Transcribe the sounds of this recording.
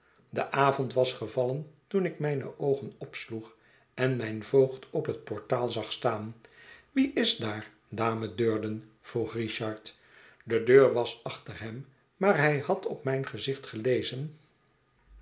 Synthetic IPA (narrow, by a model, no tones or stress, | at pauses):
dəʔaːvɔntʋɑsχəvɑləntunɪkmɛjnə̰ʔowχənɔpsluχ | ɛnmɛjnvowχtʰɔpɦət̚pɔɹtaːlˠzɑχstaːnʋiʔɪzdaːɹ | daːmədøːɹdən | v̥ruχriʃɑɹt | dədøːɹʋɑsɑχtərɦɛm | maːɹɦɛjhɑtʰɔpmɛjnχəzɪχtχəlejzən